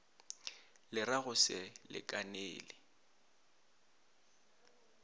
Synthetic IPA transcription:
lɪraɣʊsɪlɪ̰kʼaneːlɪ

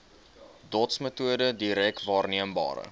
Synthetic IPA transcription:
dɔtsmətuədədiɾɛk̚tvɑːrniəmbɑ̰ːɾə̰

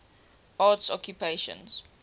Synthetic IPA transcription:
atsɔ̰kʰjupeʃə̰̃nz̥

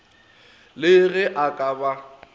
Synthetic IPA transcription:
lɪɣɪʔakʼaba

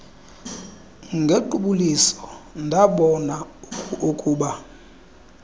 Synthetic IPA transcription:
ŋɡʱeǃuɓulisɔ̥ndʱaɓɔnaukʼuːɓa

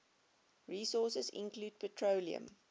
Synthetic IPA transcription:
ɹiːsɔːˑsəzɪ̰̃nkluːd̚pʰətʰɹoʊliə̰̃m

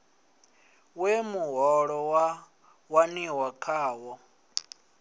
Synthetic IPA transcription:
wemuɦɔɺɔwa | waniwakʰaːwɔ

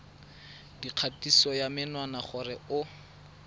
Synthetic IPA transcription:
diq͡χʰatʼisɔjamɪnwanaχʊrɛʊ

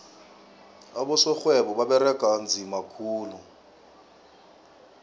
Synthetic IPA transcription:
aɓɔsɔxwɛɓɔɓaɓɛrɛɡ̥ʱʼand͡zʱimakʰuːlu

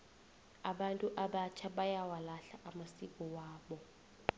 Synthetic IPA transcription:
aɓantʼuʔaɓat͡ʃʰaɓajawalaɬaʔamasik̬ʼɔwaːɓɔ

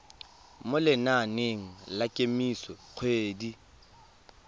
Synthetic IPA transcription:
mʊlɪnaneŋ̩lakʼemisɔq͡χʰweːdi

